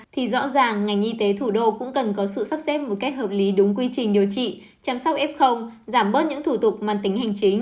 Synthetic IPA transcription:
t̪ʰi˨˩zɔ̰˧˥zaː˨˩ŋːa˨˩jŋ̟ʔi˧t̪e˨˦t̪ʰu˧˩ɗo̰˧˨kʊ̰˧˥ŋ͡mkə˨˩nkɔ˨˦sɨ̰˧˨sə˦˥p̚sɛ˦˥p̚mo˨˩t̚ka˦˥jk̚həː˨˩p̚li˨˦ɗʊ˨˦ŋ͡mk̬wi˧t͡ɕï˨˩ŋ̟ɗi˨˩əwt͡ɕḭ˧˨ | t͡ɕa˧msa˦˥k͡p̚ʔɛ˦˥p̚xə˧wŋ͡mzaː˧˩mɓəː˦˥t̚ɲɨ̰˧˥ŋt̪ʰu˧˩t̪ʊ˨˩k͡p̚maː˨˩t̪ï˨˦ŋ̟ha˨˩jŋ̟t͡ɕi˨˦ŋ̟

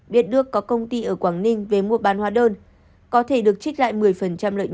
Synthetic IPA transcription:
ɓi˨ət̚ɗɨ˦˥əkːɔ˨˦kə˧wŋ͡mt̪i˧ʔəː˧˩kwaː˧˩ŋnï˧ŋ̟ve˨˩mu˧əɓaː˨˦nhwaː˧ɗoː˧n | kɔ˨˦t̪ʰe˧˩ɗɨ˨˩ək̚t͡ɕi˦˥k̚la̰ː˧˨jmɨ˨˩əjfə˨˩nt͡ɕa˧mlə̰ː˧˨

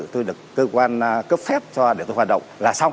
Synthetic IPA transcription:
t̪o˧jɗɨ˨˩əkːəː˧kwaː˧n˧kə˦˥p̚fɛ˦˥p̚t͡ɕɔ˧ɗe˧˩t̪o˧jɦwaː˨˩t̚ɗə̰˧˨ŋ͡mlaː˨˩saː˧w

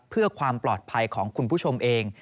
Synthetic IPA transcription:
pʰɯ˥˩ɐkʰwaː˧mplɔː˨˩t̪̚pʰa˧jkʰɔː˩˦ŋkʰu˧npʰuː˥˩t͡ɕʰo˧mʔeː˧ŋ

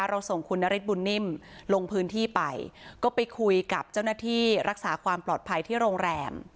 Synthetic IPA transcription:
ɾa˧wso˨˩ŋkʰu˧nːa˦˥ɾi˦˥t̪̚bu˧nːi˥˩mlo˧ŋpʰɯː˦˥nt̪ʰiː˥˩pa̰˧jkɔː˥˩pa˧jkʰu˧jka˨˩p̚t͡ɕa˥˩wnaː˥˩t̪ʰiː˥˩ɾa˦˥k̚saː˩˦kʰwaː˧mplɔː˨˩t̪̚pʰa˧jt̪ʰiː˥˩ɾoː˧ŋɾɛː˧m

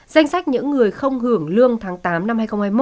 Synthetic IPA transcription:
za˧jŋ̟sa˦˥k̚ɲɨ̰˧˥ŋːɨ˨˩əjxə˧wŋ͡mhɨ˧˩əŋlɨ˧əŋt̪ʰaː˨˦ŋt̪aː˨˦mna˧mhaː˧jxə˧ŋ͡mhaː˧jmo˦

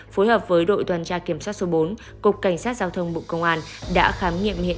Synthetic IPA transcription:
fo˨˦jɦəː˨˩p̚vəː˨˦jɗo̰˧˨jt̪waː˨˩nt͡ɕaː˧ki˧˩əmswaː˦˥t̚so˨˦ɓo˨˦n | kʊ˨˩k͡p̚kːa˧˩jŋ̟saː˦˥t̚zaː˧wt̪ʰə˧wŋ͡mɓṵ˧˨kə˧wŋ͡mʔaː˧nɗa̰ː˧˥xaː˨˦mŋḭ˧˨əmhḭ˧˨

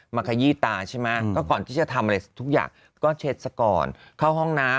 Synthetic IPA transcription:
maː˧kʰa˧˩jiː˥˩t̪aː˧t͡ɕʰa˥˩jma˦˥kɔː˥˩kɔː˨˩nt̪ʰiː˥˩t͡ɕa˨˩t̪ʰa˧mʔa˧a˧jt̪ʰu˦˥k̚ja̰ː˨˩ŋ | kɔː˥˩t͡ɕʰe˦˥t̪̚sa˧kɔ̰ː˧n | kʰa˥˩wɦɔ˥˩ŋnaː˦˥

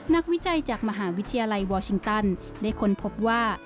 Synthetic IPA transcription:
na˦˥k̚wi˦˥t͡ɕa˧jt͡ɕaː˨˩k̚ma˧ɦaː˩˦wi˦˥t̪ʰːa˧jaː˧la˧jwɔː˧t͡ɕʰi˧ŋt̪a˧˩n | daː˥˩jkʰo˧npʰo˦˥p̚waː˥˩

